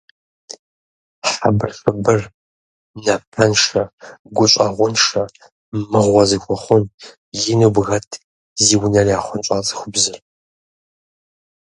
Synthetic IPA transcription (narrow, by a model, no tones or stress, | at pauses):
ħabɨrfɨbɨr | nɐpʰɐnʂɐɡʷʊɕʷʼɐʁʷʊnʂɐ | mɨʁʷɔzɨxʷɔχʷʊn | jɪnɨbɣɐtʰ | ziːwnɐriaːχʷʊnt͡ʃʼaːt͡sʼɨ̥xʷʊbzɨr